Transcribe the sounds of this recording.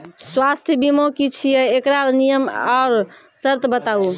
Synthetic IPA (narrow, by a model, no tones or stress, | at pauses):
swast̪ʰjəbimokit͡ʃʰijəekɾalnijəmaːɾ | səɾt̪bət̪au